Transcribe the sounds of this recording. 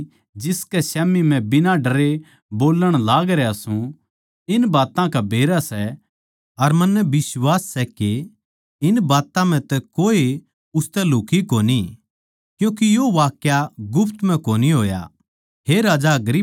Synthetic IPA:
d͡ʒɪskɛsɛːmimɛ̃bɪnãɖɐɾe | boːlːəɽ̃laːɡɾɛɐsũ | ɪnbaːt̪ãkabʱeːɾasɛ | ɐɾmɐnːɛbɪswaːsːɛke | ɪnbaːt̪ãm̤ɛ̃t̪ɛkoːe | ʊst̪ɛluːkikoːni | kjũːkijoʋaːkjaɡʊpʰt̪m̤ɛ̃koːniɦoːja̰ | ɦeɾaːd͡ʒaɡɾi

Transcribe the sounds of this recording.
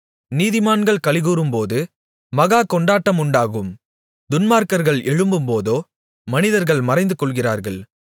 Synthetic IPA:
niːðɪmaːnɡɐɭkɐɭɪɣuːrɯmpoːðɯ | mɐɣaːkɔɳɖaːʈːɐmʊɳɖaːɣɯm | d̪ʊnmaːɾkɐɾɣɐɭɛɻɯmbɯmpoːðoː | mɐnɪðɐɾɣɐɭmɐrɐɪnd̪ɯkɔɭɣɪra̰ːɾɣɐɭ

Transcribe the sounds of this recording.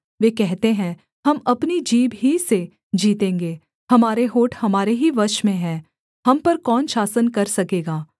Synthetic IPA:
ʋeːkɛɦt̪eɦɛ̃ | hɐmɐpnid͡ʒiːbɦise | d͡ʒiːt̪ẽːŋɡeː | hɐmaːɾeɦoːʈʰhɐmaːɾeɦiʋɐɾʃmẽɦɛ̃ː | hɐmpɐɾkɔːnʃaːsənkɐɾsɐkeːɡaː

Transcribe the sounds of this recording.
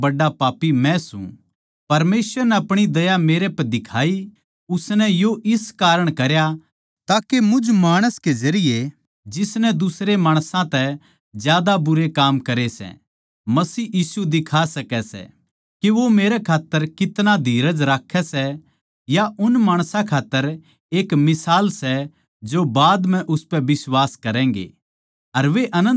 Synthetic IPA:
bɐɖːapaːpːimɛ̃sṵ̃ | pɐɾmeːsʋəɾnɛɐpɽ̃id̪ɐjameːɾepɛd̪ɪkʰaːi | ʊsnɛjoʔɪskaːɾəɽ̃kɐɾja | t̪aːkemʊd͡ʒmaːɽ̃əsked͡ʒɐɾɪje | d͡ʒɪsnɛd̪ʊsɾemaːɽ̃sãt̪ɛ | d͡ʒjaːd̪abʊɾekaːmkɐɾesɛ̰ | mɐsiːjiːsud̪ɪkʰasɐkɛsɛ̰ | keʋomeːɾɛkʰaːt̪ːəɾkɪt̪nad̪ʱiːɾəd͡ʒɾaːkʰːɛsɛ | jaʔʊnmaːɽ̃sãkʰaːt̪ːəɾ | eːkmɪsaːlsɛ | d͡ʒobaːd̪mɛ̃ʔʊspɛʋɪswaːskɐɾɛ̃ːŋɡḛː | ɐɾʋeʔɐnə̃

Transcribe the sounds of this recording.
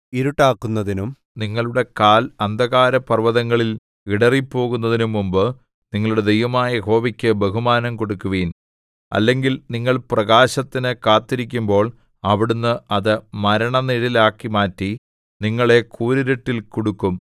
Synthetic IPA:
iɾuʈːaːkːunːɐðinum | niŋːɐɭuɽe̞kaːlɐnd̪ʱɐɣaːɾɐpɐrʋɐðɐŋːɐɭil | iɽɐripːo̞ːɣunːɐðinumːumbɨ | niŋːɐɭuɽe̞d̪e̞jʋɐmaːjɐɦo̞ːʋikʲːɨbeɦumaːnɐmko̞ɽukːuʋiːn | ɐ̰lːe̞ŋɡilniŋːɐɭprɐɣaːɕɐt̪ːinɨkaːt̪ːiɾikʲːumbo̞ːɭ | ɐʋiɽunːɨʔɐðɨmɐɾɐɳɐniɾilaːkːimaːtːi | niŋːɐɭe̞kʰuːɾiɾeʈːilkoɽukːum

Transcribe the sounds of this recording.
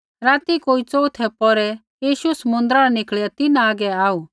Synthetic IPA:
ɾaːt̪ikoːit͡sɔːut̪ʰɛpɔɾɛ | jiːʃuɛsɐmʊ̃nd̪ɾaɾɛnɪkɭjat̪ɪnaːɡɛaːuː

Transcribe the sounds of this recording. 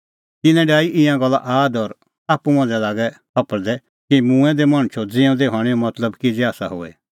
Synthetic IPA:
t̪ɪnɛ̃ɖaːiʔɪ̃jãɡɐlːa̰ʔaːd̪ɔɾ | aːpumɐ̃d͡zɛlaːɡɛkʰɐpəɾd̪ɛ | kimũːɛ̃d̪ɛmɐ̃ɽ̃t͡ʃʰod͡zɪ̃õd̪eɦaːɽ̃eõmɐt̪ləbkid͡zɛaːsaɦo̰ːɛ̰

